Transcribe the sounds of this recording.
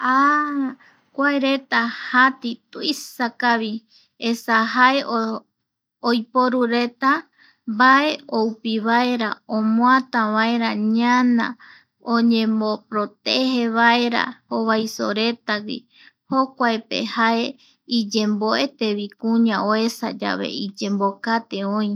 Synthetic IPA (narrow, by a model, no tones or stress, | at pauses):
a | kʷaeɾe̞t̪ahat̪it̪uisakaβi | esaɦaeo | ojpoɾuɾe̞t̪a | mbaʔe̞oupiβaeɾaõmõat̪ãβaeɾaɲanã̰ | õɲẽ̞mopɾot̪eheβaeɾa̰hoβajso̰ɾe̞t̪awḭ | hokʷaepḛhae̞ | id͡ʒẽ̞mboʔet̪e̞βikũɲãoe̞sa̰d͡ʒa̰βe̞̰id͡ʒẽ̞mbokat̪eõĩ